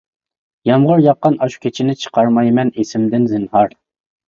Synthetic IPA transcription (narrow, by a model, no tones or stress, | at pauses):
jɑmʁʊɾjɑqːɑnɑʃu̥kʲʰet͡ʃʰɪnɪt͡ʃʰə̥qʰɑɾmɑjmɛnesɪmd̪ɪnzɨnhɑɾ